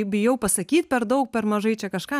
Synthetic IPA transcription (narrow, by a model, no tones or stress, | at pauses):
bʲɪjɛʊpɐsɐkʲiːt̪̚pʲɛɾd̪ɐʊk̚pʲɛɾmɐʒɐɪt͡ʃʲɛkɐʃkɑː